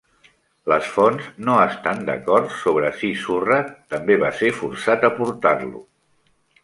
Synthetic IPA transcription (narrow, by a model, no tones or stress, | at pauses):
ləsfɔnznoəst̪and̪ə̰kɔɾt̪soβ̞ɾəsisurət̪əmbeβasefuɾsat̪əpuɾt̪arlṵ